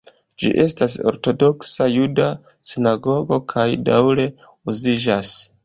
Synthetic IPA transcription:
d͡ʒḭʔe̞stas̬o̰ɾto̞do̞ksajuda | sinaɡo̞ɡo̞kʰajdawɾe̞ | uziʒas

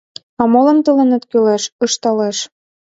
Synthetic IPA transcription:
ɑmolɤ̆nt̪əlenĕt̪kyleʃə̆ʃt̪ɑleʃ

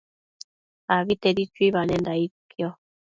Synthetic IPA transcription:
aβitɛdit͡ʃwiβanɛndaikjɔ

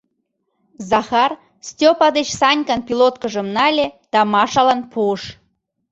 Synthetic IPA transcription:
zɑxɑr | stʲopɑd̪et͡ɕsɑnʲkɑnpilot̪̚kəʒə̆mnɑlʲed̪̥ɑmɑʃɑlɑnpuəʃ

